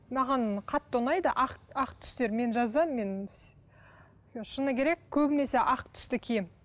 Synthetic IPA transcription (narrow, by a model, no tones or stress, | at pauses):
mɑʁɑnqʰɑt̪ːonɑjd̪əʔɑqɑqt̪ʰʏ̥st̪e̞ɾme̞nʒɑzɑːe̞n | ʃənəkʲʰe̞ɾe̞kʲːʰɵbɪne̞se̞ʔɑqt̪ʰʏ̥st̪ɪkʲʰejm